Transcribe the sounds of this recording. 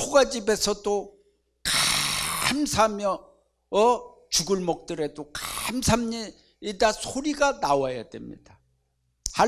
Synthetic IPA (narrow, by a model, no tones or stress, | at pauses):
oɡad͡ʑibe̞sʰʌd͈o | ka | amsʰamjʌ | ʌ | t͡ɕuɡɯɭmʌk̚t͈ɯɾe̞dokamsʰamɲi | idasʰoɾiɡanawajadwe̞̰mɲḭd̥a | ha